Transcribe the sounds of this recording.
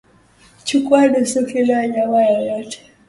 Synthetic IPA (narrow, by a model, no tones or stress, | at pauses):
t͡ʃukwaɗusɔkilaɲamajajɔtʰɛ̥